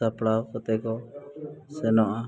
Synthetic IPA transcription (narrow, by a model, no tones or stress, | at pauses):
apɽawkɔt̪ɛkɔ | sɛnɔʔa